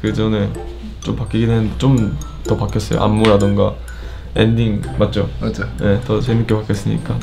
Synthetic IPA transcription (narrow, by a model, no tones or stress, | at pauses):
kɯd͡ʑʌne̞ | t͡ɕompak͈iɡedwenɯndet͡ɕom | tʌpak͈ʰes͈ʌjo̰ʔa̰mːuɾadɯŋɡa̰ | ḛndiŋmat̚t͡ɕ͈omaaje̞tʌsʰemik͈epak͈ʰes͈ɯɲḭk͈a